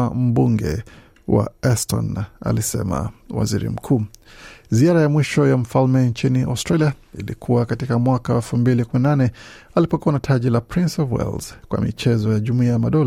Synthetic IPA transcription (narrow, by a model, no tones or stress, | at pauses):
am̩buŋɡɛ̰ | wa̰ɛstʰɔ̰na̰lisɛ̰ma̰wa̰zḭɾḭm̩kʰuːziaɾajamwiʃɔjam̩falmɛnɲt͡ʃiniʔa̰stɾaliailḭkʰuwakatikamwakaɛlfumbilikuminananɛalipɔkuanatʰaʄilapɾinsɔvwɛ̰lz̥kwa̰mḭt͡ʃɛzɔjaʄumuiajamaɗɔl